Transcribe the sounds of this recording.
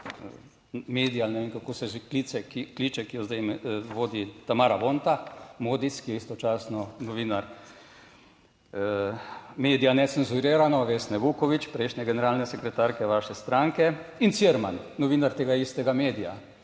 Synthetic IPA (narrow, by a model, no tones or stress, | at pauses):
meːd̪ijalnɛʋeːŋkakoːsɛʒeklit͡sɛkiklit͡ʃɛkijɔzd̪ajmʋoːd̪it̪amaːɾaʋoːnt̪amoːd̪iskijɛist̪ɔt͡ʃaːsnɔnɔʋiːnaɾ | meːd̪ijanɛsenzuɾeːɾanɔʋeːsnɛʋuːkɔʋit͡ʃpɾɛɪʃnʲɛɡɛnɛɾaːlnɛsɛkɾɛt̪aːɾkɛʋaːʃɛst̪ɾaŋkɛinsiɛɾmannɔʋiːnaɾt̪eːɡaist̪ɛɡameːd̪ija̰